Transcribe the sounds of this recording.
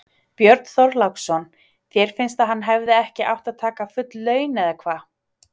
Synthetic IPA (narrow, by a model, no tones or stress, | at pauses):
pjœɾt̪n̥θɔɾlawksɔn | θjɛɾ̥fɪnst̪aɦanːɦɛvðɪɛhcɪʔa̰wht̪aðt̪ʰaːkafʏt̪lːœːɥnɛðakʰvaː